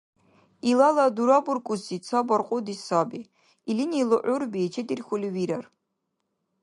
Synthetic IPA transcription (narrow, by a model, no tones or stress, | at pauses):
ilalad̪uɾaburkʼusit͡sʰabarqʼʊd̪isabi | ilinilˠɔʔʷʊrbit͡ʃʰɛd̪irxʷuliwiɾar